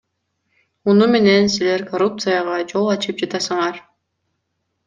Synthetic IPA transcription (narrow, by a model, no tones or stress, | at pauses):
munume̞ne̞nsile̞ɾkʰoɾupt̪sɨjaʁɑd͡ʒo̞lˠɑt͡ʃɯp̚d͡ʒɑt̪ɑsɯɴɑɾ